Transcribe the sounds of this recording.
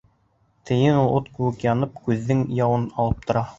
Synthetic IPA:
t̪ʰɘ̆jɘnulˠot̪kʉwɘkjɑnɤp̚kʉðːɘŋjɑwɤnɑlˠɤp̚t̪ʰŏɾɑ

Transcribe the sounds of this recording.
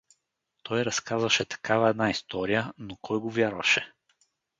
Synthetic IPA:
t̪ʰɔjɾɐskazvɐʃɛt̪ɐ̥kavɐɛd̪naist̪ɔɾijənokʰɔjɡovʲjaɾvɐ̰ʃɛ

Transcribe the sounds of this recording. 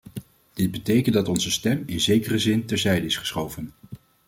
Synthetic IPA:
d̥ɪd̚bətejkəndɑtɔnzəstɛmɪnzejkərəzɪntɛɹzɛjdəɪsχə̥sχowvən

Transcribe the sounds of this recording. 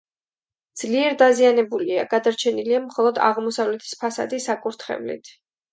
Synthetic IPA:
d̪z̥liɛɾd̪azianɛbulia̰ɡ̥ad̪aɾt͡ʃʰɛniliamχɔlˠɔd̪a̰ʁmɔsavlɛt̪ʰi̥spʰasa̰d̪isakʼuɾt̪ʰχɛ̰vlḭt̪ʰ

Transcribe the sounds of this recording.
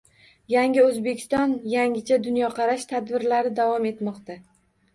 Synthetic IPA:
jaŋʲɪɵzbe̞kʲʰɪ̥st̪ɒnjaŋʲɪt͡ʃʰad̪ʊnjɒqʰɑɾaʃt̪ʰad̪bɪɾlaɾɪd̪avɒme̞t̪mɒqt̪a

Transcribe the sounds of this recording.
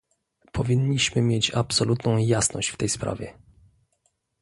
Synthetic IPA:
pʰɔvʲiɲːiɕmɘmʲjet͡ɕapsɔlut̪nɔ̃w̃jasnɔɕt͡ɕft̪ɛjspɾa̰vʲjɛ

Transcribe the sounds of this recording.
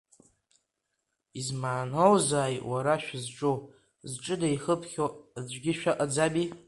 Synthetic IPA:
izmaːnowzaːjwaɾaʃᶣzʈ͡ʂʼo | zʈ͡ʂʼɨdajχəpʰχʲod͡zʷɡʲɪʃᶣaʔad͡zabi

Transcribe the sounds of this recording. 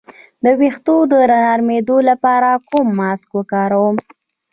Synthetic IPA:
d̪əwext̪od̪əɾanɑɾmed̪olapɑɾakumːɑskwəkɑɾawəm

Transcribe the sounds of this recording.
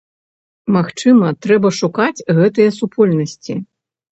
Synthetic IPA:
maxt͡ʂɨmɐt̪ɾɛbɐʂukat͡sʲɣɛt̪ɨjɐsupʰɔlʲnɐsʲt͡sʲi

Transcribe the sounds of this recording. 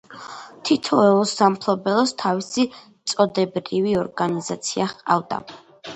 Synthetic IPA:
t̪ʰit̪ʰɔɛusampʰlˠɔbɛlˠɔst̪ʰavisi | t̪sʼɔd̪ɛbɾiviɔɾɡanizat̪sʰiaχqʼa̰vd̪a̰

